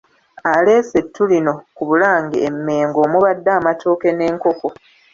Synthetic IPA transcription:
aleːsetːulino̞kuβulaːŋɡiemːe̞ːŋɡo̞ːmuβadːaːmato̞ːke̞ne̞ːŋko̞ko̞

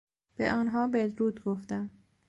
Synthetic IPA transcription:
b̥ḛʔɒːnɦɒːbed̪ɾuːd̪ɡoft̪æm

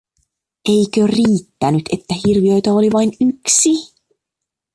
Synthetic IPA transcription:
e̞jkøriːt̪ːænyt̪e̞t̪ːæɦirʋiø̞jt̪ɑoliʋɑjnyksi

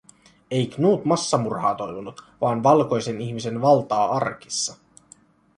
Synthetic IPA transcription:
e̞jknuːt̪mɑsːɑmurhɑːt̪o̞jʋonut̪ʋɑːnʋɑlko̞jse̞niçmise̞nʋɑlt̪ɑːɑrki̥sːɑ

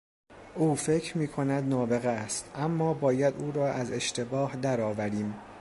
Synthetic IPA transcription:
ʔuːfe̞cʰɾmiːkʰo̞næd̪nɒːbe̞ɣest̪ʔæmːɒːbɒːjæd̪uːɾɒːʔæze̞ʃt̪ʰe̞bɒːhd̪æɾɒːvæɾiːm

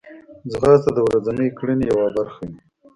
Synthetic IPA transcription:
zɣɑt̪ad̪əwɾazanəjkɽinijawabaɾxai

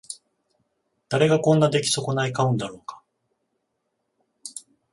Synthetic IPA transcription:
d̪̥aɾe̞ɡakõ̞nːad̪e̞kʲi̥so̞ko̞naikaɯ̟̃nd̪aɾo̞ːkḁ

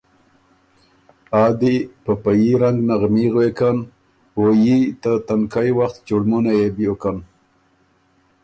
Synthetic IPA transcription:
ɑːd̪ipəpajiɾaŋɡnaɣmiɣwekan | wojit̪ət̪ankajwaxt̪t͡ʃuɽmunajebjokan

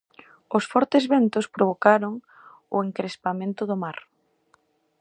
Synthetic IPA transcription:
ʊsfɔɾt̪ezβent̪ʊspɾoβ̞okaɾoŋ | ʊ̰eŋkɾespamẽnt̪ʊðʊmaɾ

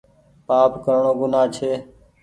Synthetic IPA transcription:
paːpkəɾɳoːɡʊnaːt͡ʃʰeː

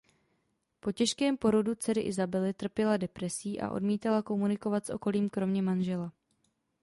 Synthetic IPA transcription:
po̞cɛʃkɛːmpo̞ɾo̞dut͡sɛɾɪ̰ʔɪzabɛlɪt̪r̩pjɛladɛpɾɛsiːʔa̰ʔo̞̰dmiːt̪alako̞munɪko̞vat̪sʔo̞̰ko̞liːmkɾo̞mɲɛmanʒɛla

